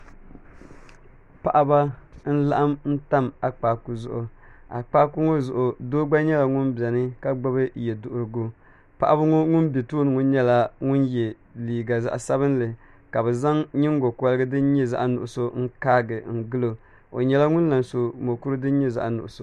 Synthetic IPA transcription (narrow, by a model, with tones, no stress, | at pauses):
pa˨ʔa˦ba˦n̩˦la̰˦ʔa˦mn̩˦ta˦ma˨k͡paː˨ku˨zʊ˦ʔʊ˨a̰˨k͡paː˦ku˦ŋo˦zʊ˨ʔʊ˨doː˦ɡ͡ba˦ɲɛ˦la˨ŋʊ˦nbɛ˨nɨ˦ka˦ɡ͡ba˦bɨ˦jɛ˨dʊ˨ʔʊ˨ɾɨ˨ɡo˦ | pa̰˦˨ʔa˦ba˦ŋo˦ŋʊ˦nbe˨toː˦nɨ˨ŋʊ˦nɲɛ˦la˦ŋʊ˦njɛ˨ | liː˨ɡa˨za̰˨ʔsa˦βɨ˦n˦lɨ˨ | ka˨bɛ˨za˦ŋɲɪ˦ŋ˦ɡo˨ka˦lɨ˦ɡɨ˦dɨ˦n˦ɲɛ˦za̰˦ʔa˨nʊ˨ʔʊ˨so˦ŋ̩˦kaː˦ɡɨ˨ŋ̩˨ɡɨ˦lo˨ | o̰˨ɲɛ˦la˦ŋʊ˦nla˨nso˨mo˨ku˦ɾɨ˦dɨ˦n˦ɲɛ˦za̰˨ʔa˨nʊ̰˨ʔʊ˨so˦